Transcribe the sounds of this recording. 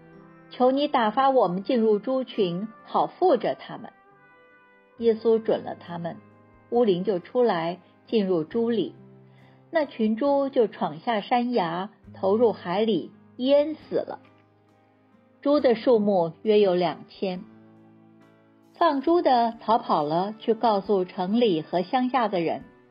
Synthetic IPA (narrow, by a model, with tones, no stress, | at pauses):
t͡ɕʰjo˧˥ʊni˧˥t̪a˨˩fa˥wɔ˨˩mə˦nt͡ɕi˥˧nɻu˥˩ʈ͡ʂu˥t͡ɕʰy˧˥nxɑ˨˩ʊfu˥˩ʈ͡ʂə˨˩t̪ʰa˥mə̰˨n | jɛ˥su˥ʈ͡ʂwə̰˨˩nlə̰˦t̪ʰa˥mə˨n | u˥li˧˥ŋt͡ɕjo˥˩ʊʈ͡ʂʰu˥la˧˥ɪ | t͡ɕi˥˧nɻu˥˩ʈ͡ʂu˥lḭ˨˩˦ | na˥˩t͡ɕʰy˧˥nʈ͡ʂu˥t͡ɕjo˥˩ʊʈ͡ʂʰwɑ˨˩ŋɕja˥˩ʂa˥nja˧˥ | t̪ʰo˧˥ʊɻu˥˩xa˧˥ɪli˨˩ | i˥ə˥nsɹ̩˨˩lə̰˦ | ʈ͡ʂu˥d̪ə˨ʂu˥˧mu˥˩ɥɛ˥jo˧˥ʊljɑ˨˩ŋt͡ɕʰjɛ˥n | fɑ˥˩ŋʈ͡ʂu˥d̪ə˨˩t͡sʰɑ˧˥ʊpʰɑ˨˩ʊlə˦t͡ɕʰy˥˧kɑ˥˧ʊsu˥˩ʈ͡ʂʰɤ˧˥ŋli˨˩xɤ˧˥ɕjɑ˥ŋɕja˥˩d̪ə˩ɻə̰˧˥n